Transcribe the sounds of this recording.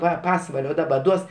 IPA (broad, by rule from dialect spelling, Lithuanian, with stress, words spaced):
ˈʋɐ ˈpɑːsʋɐlʲoː ˈdɑːbɐ ˈduɔs